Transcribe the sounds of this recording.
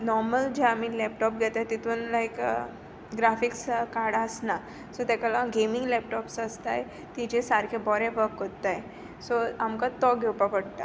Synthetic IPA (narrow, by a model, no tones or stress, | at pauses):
nɔɾməld͡ʑeamilɛp̚ʈɔp̚ɡʱɛt̪at̪it̪ʰuːnlaik | ɡɾafikskaɾɽasna | sɔt̪ɛkalaɡemiŋɡlɛp̚ʈɔpsəst̪aj | t̪id͡ʑesaɾkʰebɔɾẽʋəkɦot̪ːaj | soamkat̪ɔɡʱewpəkəɽt̪a̰